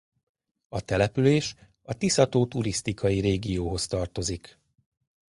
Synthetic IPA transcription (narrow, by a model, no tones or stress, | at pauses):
ɒt̪ɛlɛpyleːʃ | ɒt̪isɒt̪oːt̪uɾist̪ikʰɒjiɾeːɡijoːɦo̞st̪ɒrt̪o̞zik